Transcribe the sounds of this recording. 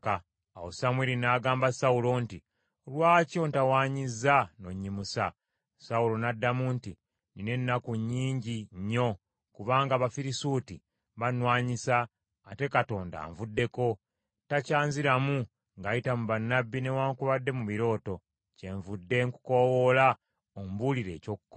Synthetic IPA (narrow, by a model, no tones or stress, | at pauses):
ka | awosamweɾinaɡaːmbasaulo̞nti | olwaːco̞ntawaːɲizːano̞ɲːimusa | saulo̞nadːamunti | nine̞nːakuɲːiːɲɟiɲːo̞ | kuβaːŋɡaβafiɾisuːti | βanwaːɲisaː | te̞kato̞ːnda̰ːɱvudːe̞ko̞ | tacaːnziɾamu | ŋɡajitamuβanːabːine̞waːŋkuβadːe̞muβiɾo̞ːto̞ | ce̞ɱvudːe̞ŋku̥ko̞wo̞la | ombuliɾe̞̰ːco̞kukːo